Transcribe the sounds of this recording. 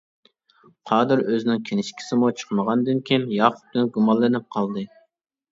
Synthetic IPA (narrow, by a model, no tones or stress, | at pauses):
qʰɑːd̪ɨɾøzɪnɪŋkʲʰenɪʃkʲʰi̥sɪmut͡ʃʰə̥χqməʁɑnd̪ɪnkʲʰinjɑːqʰʊ̥t̪̚d̪ɪnɡumɑlˠːɨnɪp̚qʰɑlˠd̪ɨ